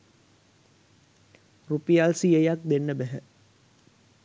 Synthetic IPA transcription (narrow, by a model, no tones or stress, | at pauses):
rupijalsiejak̚d̪enːəbæɦə